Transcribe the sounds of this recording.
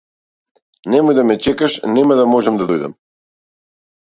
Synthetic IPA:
nɛmɔjd̪amɛt͡ʃɛkaʃnɛmad̪amɔʒɛmd̪ad̪ɔjd̪ɛ̰m

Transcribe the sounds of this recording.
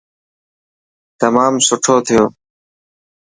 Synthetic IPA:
t̪əmaːmsʊʈʰoːt̪ʰɪjoː

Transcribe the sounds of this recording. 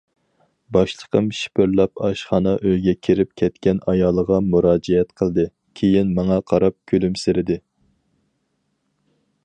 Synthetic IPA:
bɑʃlˠə̥qʰəmʃi̥pʰøɾlˠɑpɑʃχɑnɑʔøjɡʲɛkʲʰiɾɪp̚kʲʰɛt̪kʲɛnɑjɑːlˠəʁɑmuɾɑːd͡ʒɛɛt̪qʰəlˠd̪ɨ | kʲʰejinmɑŋɑqʰɑɾɑp̚kʲʰølymsɪɾɪd̪ɪ

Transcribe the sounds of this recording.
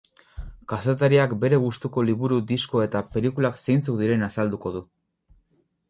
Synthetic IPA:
kase̞t̪aɾiakbe̞ɾe̞ɣ̞ust̪uko̞liβuɾud̪isko̞e̞t̪ape̞likulakse̞jnt͡sukðiɾe̞nasald̪uko̞ð̞u

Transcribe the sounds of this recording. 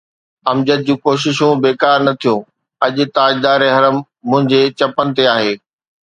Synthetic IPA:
ɐmd͡ʑəd̪̚d͡ʑũːkoːʃ̬ɪʃũbeːkaːɾnɐt̪ʰijõː | ɐʄʊ̆t̪aːd͡ʑd̪aːɾeɦɐɾəmː | ʊ̃ɦɪ̃ɲd͡ʑet͡ɕɐpənɪ̆t̪eaːɦeː

